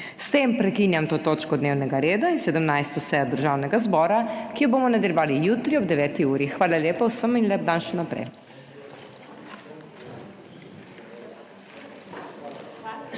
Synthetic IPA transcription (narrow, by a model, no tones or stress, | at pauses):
st̪eːmpɾɛkiːnjamt̪oːt̪oːt͡ʃkɔd̪neːwnɛɡaɾeːd̪ainsɛd̪əmnajst̪ɔsɛːjɔd̪əɾʒaːwnɛɡazbɔːɾakijɔboːmɔnad̪ɛlʲjɔʋaːlijut̪ɾiɔb̚d̪ɛʋɛːt̪iuːɾixʋaːlaleːpawsəminlɛb̚d̪anʃɛnapɾɛ̰j